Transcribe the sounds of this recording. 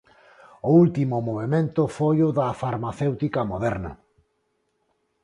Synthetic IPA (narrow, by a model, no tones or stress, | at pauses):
ʊult̪imʊmoβ̞emẽnt̪ʊfojʊðafaɾmaθewt̪ikɐmoðɛɾnɐ̰